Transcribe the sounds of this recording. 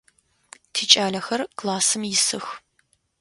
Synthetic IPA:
tʰiːt͡ʃʼaːɮɐxɐrkʼlaːsɨmjɪsɨx

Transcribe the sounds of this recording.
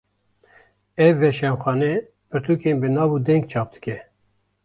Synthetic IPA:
ɛvːɛʃɛmxʷɑːnɛ | pʰɨɾt̪ʰuːkeːnbɨnɑːvuːd̪ɛŋɡ̚t͡ʃʰɑːp̚d̪̥ɨ̥kʲɛ

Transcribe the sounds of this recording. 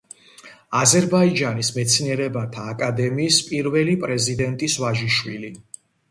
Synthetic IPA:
azɛɾbaid͡ʒanismɛt̪sʰniɛɾɛbat̪ʰaːkʼad̪ɛmiːspʼiɾvɛlipʼɾɛzid̪ɛnt̪ʼisvaʒiʃwili

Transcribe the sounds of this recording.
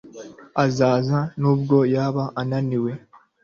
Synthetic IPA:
azaːzanuːb̚ɡo̞jaːβaʔːnaniwe̞

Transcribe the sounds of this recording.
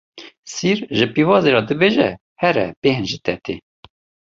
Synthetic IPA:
siɾʒɨpivɑːzeɾɑːd̪ɨbeʒɛ̰ | hɛɾɛ̰beːhɨnʒɨt̪ʰɛt̪e

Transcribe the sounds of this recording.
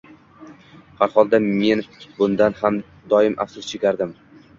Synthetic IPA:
haɾhɒlˠd̪ame̞nbʊnd̪anham | d̪ɒɪmʔa̰fsʊst͡ʃʰɪɡʲaɾd̪ɪm

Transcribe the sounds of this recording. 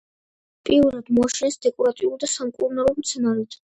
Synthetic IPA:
pʼiuɾad̪mɔaʃɛnɛsd̪ɛkʼɔɾat̪ʼiulˠd̪asamkʼuɾnalˠɔmt̪sʰɛnaɾɛt̪ʰ

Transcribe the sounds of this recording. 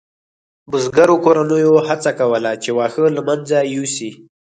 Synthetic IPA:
bʊzɡaɾokoɾanəjohat͡sakawəlat͡ʃewɑxəlamand͡zajusi

